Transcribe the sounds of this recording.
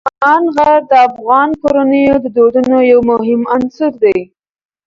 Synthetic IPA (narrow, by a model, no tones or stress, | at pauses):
ɑnɣaɾd̪əafɣɑnkoɾanəjod̪əd̪oɖ̪ənojawmʊɦɪmansʊɾd̪aj